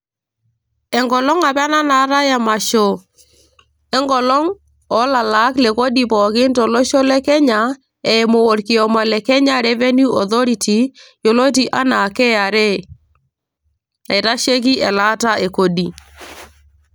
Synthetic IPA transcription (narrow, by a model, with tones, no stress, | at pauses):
ɛ˨ŋɡɔ˨lɔ˦ŋa˨pa˦na˦na˨˦ɾa˦ja˨ma˨ʃo˨ | ɛ˦ŋɡɔ˨lɔ˦ŋ | ɔ˨˦la˨la˦kle˨ko˦di˨pɔ˨kɪ˦ntɔ˨lo˦ʃo˦lɛ˦kɛ˦ɲa˨˦ | ɛ˨mo˨o˨ɾki˨ɔ˨mɔ˨lɛ˨kɛ˦ɲa˦ɾɛ˦vɛ˦ni˦ɔ˨ðo˦ɾi˨ti˨jo˨lo˦ti˨ʔa˦na˨kɛ˦a˨ɾe˦ | e˨ɾa˦ʃe˦k̬i˦ʔɛ˨la˦ta˦ʔe˨ko˨di˨